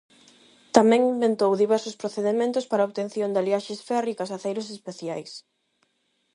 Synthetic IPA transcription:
t̪amɛ̃ŋimbent̪owðiβɛɾsospɾoθeðemẽnt̪ʊspaɾaoβt̪enθjond̪aljaʃesfɛrikɐsaθejɾosespeθjajs

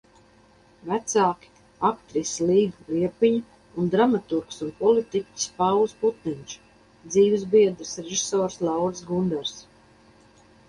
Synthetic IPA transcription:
væt̪saːki̥ | akt̪ɾisliːɡuliɛpiɲ | und̪ɾamat̪uɾksunpɔlit̪ikʲi̥spawsput̪niɲʲt͡ʃi̥ | d̪ziːvɨzbiɛd̪ɾɨsɾeʒi̥soːɾslˠawɾsɡund̪ɛɾs

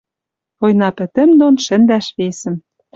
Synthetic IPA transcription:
pojnɑpɘ̆t̪ɘ̆md̪onʃɘ̆nd̪æʃβesɘ̆m

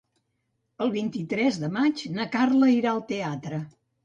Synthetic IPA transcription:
əlˠβint̪it̪ɾɛzðəmat͡ʃnakarləiɾaəlˠt̪eat̪ɾə

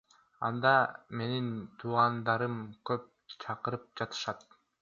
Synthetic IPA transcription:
ɑ̰nd̪ɑme̞nint̪ʰuːʁɑnd̪ɑɾɯmkøp̚t͡ʃʰɑqɯɾɯp̚d͡ʒɑt̪ɯ̥ʃɑt̪̚

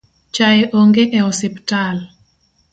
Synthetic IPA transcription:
t͡ʃaeʔoŋɡeʔɛɔsɪptal

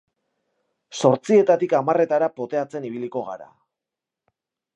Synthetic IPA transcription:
so̞ɾt͡sie̞t̪at̪ikamare̞t̪aɾapo̞t̪e̞at͡se̞niβ̞iliko̞ɣa̰ɾa̰

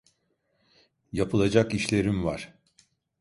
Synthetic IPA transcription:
japʰɯlˠad͡ʒakiʃlʲe̞ɾimvaɾ̥

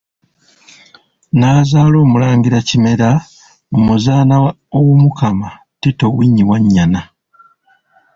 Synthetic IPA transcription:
naːzaːlo̞ːmulaːŋɡiɾacime̞ɾa | omuzaːna | owumukama | tito̞wiɲːiwaɲːana

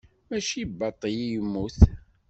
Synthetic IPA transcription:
mæʃibːɑt̪ˤːəjijəmːuθ

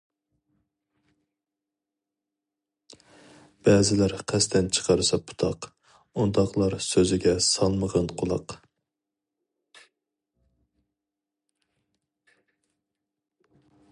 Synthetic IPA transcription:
b̥ɛzɪlæɾqʰæst̪ʰɛnt͡ʃʰə̥qʰɑɾɨsɑpʰu̥t̪ʰɑq | und̪ɑqlˠɑɾsøzɪɡʲɛsɑlˠməʁɑnqʰʊlˠɑ̰q

